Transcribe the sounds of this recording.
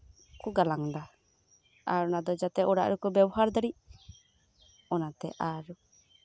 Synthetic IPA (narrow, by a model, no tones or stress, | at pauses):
kuɡalaŋd̪a | a̰ɾɔnad̪ɔd͡ʒat̪ɛʔɔɽa̰ʔɾukɔbɛbɔɦaɾd̪əɽi | ɔnat̪ɛ̰ʔaɾu